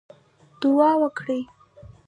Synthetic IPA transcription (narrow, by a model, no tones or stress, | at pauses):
d̪̥ʊɑwəkɽi